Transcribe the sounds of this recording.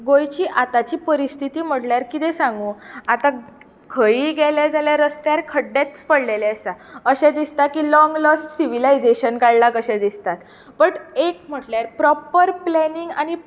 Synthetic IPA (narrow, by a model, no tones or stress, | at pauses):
ɡojt͡ɕiːʔat̪at͡ɕiːpəɾist̪ʰit̪iːm̤əʈljaɾkit̪ɛ̃sãŋɡũːat̪a | ɡʰʱəiːɡɛled͡zaljaɾəst̪jaɾkʰəɖːet̪spəɽleleəsaəɕɛd̪ist̪akiːlɔŋɡləsʈsiʋilaid͡zeɕənkaɽlakəɕɛ̃d̪ist̪at̪ | bəʈek̚m̤əʈljaɾpɾɔpəɾplɛniŋɡañi